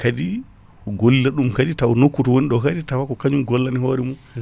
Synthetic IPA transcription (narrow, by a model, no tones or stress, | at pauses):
kadi | ɡolːilaɗumkaditawɔnokːutɔwoniɗɔkaditawakɔkaɲumɡɔlːanihoːɾɛmun